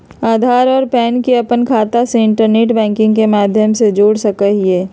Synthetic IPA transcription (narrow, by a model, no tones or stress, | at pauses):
aːd̪ʱaːɾɔːɾpɛːnkiɐpənkʰaːt̪aseɪ̃ɳʈəɾneːʈbɛ̃ːŋkɪ̃ŋɡkemaːd̪ʱjəmsed͡ʒoːɽsɐkəɦieː